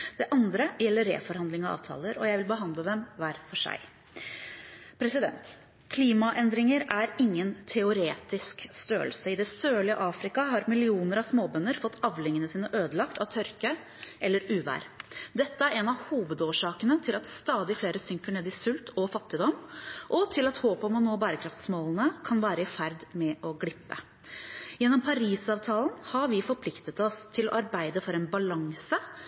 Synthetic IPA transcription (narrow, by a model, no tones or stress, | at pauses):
d̪̥ɛʔɑnd̪ɾəjɛlːəɾːḛːfɔɾhɑnd̪lɪŋɑʋɑ̰ːʋt̪ʰɑ̰ːləɾɔjæɪʋɪlbəɦɑnd̪ləd̪ɛmʋæːɾfɔʂæ̰ɪ | pʰɾɛsɪd̪ɛ̰nt̪ | kʰliːmɑʔɛnd̪ɾɪŋəɾæɾɪŋːənt̪ʰɛʊɾeːt̪ɪskst̪øːəlsəɪd̪ɛsøːɭɪəʔɑːfɾɪkɑɦɑɾmɪlɪuːnəɾɑʋsmoːbœnːəɾfɔt̪ːɑʋlɪŋənəsiːnəʔøːd̪əlɑkt̪ʰɑʋt̪ʰœɾkə | ʔɛlːəɾʉːʋæ̰ːɾd̪ɛt̪ːəæɾɛnɑʋhuːʋəd̪oːʂɑːkənət̪ʰɪlɑt̪st̪ɑːd̪ɪfleːɾəsʏŋkəɳeːd̪ɪsʉlt̪ʰɔfɑt̪ːɪd̪ɔmːʔɔt̪ʰɪlɑt̪hoːpɔmɔnoːbæːɾəkʰɾɑft̪smoːlənəkʰɑnʋæːɾəɪfæɾd̪mɛʔɔɡlɪpːə̰ | jɛnːɔmpʰɑɾiːsɑːʋt̪ʰɑːlən̩hɑɾʋɪfɔɾpʰlɪkt̪ət̪ɔst̪ʰɪlɔ̰ʔɑɾbæɪd̪əfɔɾɛnbɑlɑŋsə